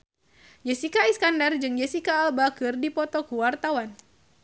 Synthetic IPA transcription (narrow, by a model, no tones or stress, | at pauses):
d͡ʒesikaiskandard͡ʒɨŋd͡ʒesikaːlbakɨrdipɔt̪ɔkuwart̪awan